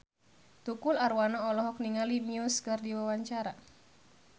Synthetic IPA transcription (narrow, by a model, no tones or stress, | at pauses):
t̪ukʊlaɾwanaɔlɔɦɔk̚niŋaliniuskərdiwawaɲt͡ʃaɾa